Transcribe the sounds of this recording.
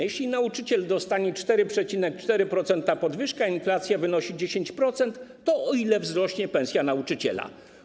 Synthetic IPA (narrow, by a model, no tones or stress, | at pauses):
jɛɕlʲinaut͡ʂɘt͡ɕɛld̪ɔst̪aɲɛt͡ʂt̪ɛɾɘpʂɛt͡ɕinɛk̚t͡ʂt̪ɛɾɘpɾɔt̪sɛnt̪apɔd̪vɘʂkainflat̪sʲjavɘnɔɕid͡ʑeɕeɲt͡ɕpɾɔt̪sɛnt̪ːɔɔilɛvzɾɔɕɲɛpɛ̃sʲjanaut͡ʂɘt͡ɕɛ̰la̰